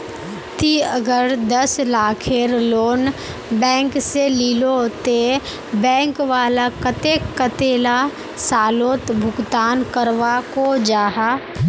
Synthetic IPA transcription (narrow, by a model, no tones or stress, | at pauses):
t̪iəɡəɾd̪əslaːkʰeɾloːn | bɛ̃ːŋkseliːlot̪e | bɛ̃ːŋkʋaːlakət̪ekət̪eːla | saːloːt̪bʱʊɡt̪aːnkəɾʋakod͡ʒaːɦaː